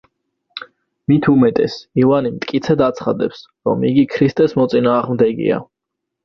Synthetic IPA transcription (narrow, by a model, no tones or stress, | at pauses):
mit̪ʰumɛt̪ʼɛsivanimt̪ʼkʼit̪sʰɛd̪at̪sʰχad̪ɛps | ɾɔ̰miɡikʰɾist̪ʼɛsmɔt̪sʼinaːʁmd̪ɛɡḭa̰